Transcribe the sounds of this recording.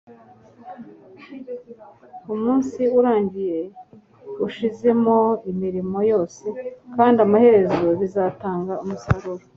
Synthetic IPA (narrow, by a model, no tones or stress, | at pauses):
umuːnsiuɾaːɲɟije̞ | uʃize̞mo̞imiɾimo̞jo̞ːse̞kaːndiamahe̞ɾe̞zoβizataːŋɡaumusaɾoɾo